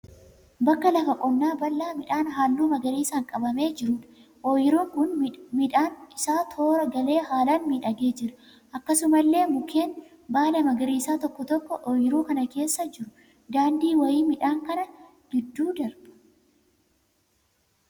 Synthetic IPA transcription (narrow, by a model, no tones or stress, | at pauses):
bɐkːɐlɐfɐkʼɔnːaːbɐlːaːmɪᶑaːnɦaːlːuːmɐɡɐɾiːsaːŋkʼɐbɐme̞ːd͡ʒɪɾuːᶑɐ̥ | ʔɔjɪɾuːŋkʊnmɪᶑaːnɪsaːt̪ʰo̞ːɾɐɡɐle̞ːɦaːlaːnmiːᶑɐɡe̞ːd͡ʒɪɾɐ̥ | ʔɐkːɐsʊmɐlːe̞ːmʊkʰe̞ːn | baːlɐmɐɡɐɾiːsaːt̪ɔkːɔt̪ɔkːɔʔɔjɪɾuːkɐnɐke̞ːsːɐd͡ʒɪɾʊ | d̪aːnd̪iːwɐjiːmɪᶑaːŋkɐnɐ | ɡɪd̪ːuːd̪ɐɾbɐ̥